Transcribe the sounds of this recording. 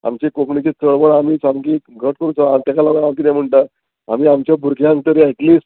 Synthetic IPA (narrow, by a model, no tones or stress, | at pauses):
a̰mt͡ɕikokɳit͡ɕit̪ʰəɭbəɭamiːt͡saŋkiɡʱəʈ̚kəɾũt͡saat̪akalaʋamkid̪jãm̤əɳʈa | a̰miːamt͡ɕjabʱuɾkʰjãŋɡ̚t̪əɾieʈliːs